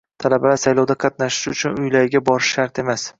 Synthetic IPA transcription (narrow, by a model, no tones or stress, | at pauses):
t̪ʰalabalaɾsajlɒwd̪aqʰɑt̪̚naʃɪ̥ʃʊt͡ʃʰʊnʊjlajɪɡʲabɒɾɪʃʃaɾt̪e̞mas